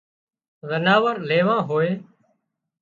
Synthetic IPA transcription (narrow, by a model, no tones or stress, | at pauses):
zənaːʋəɾleːʋãːɦoːeː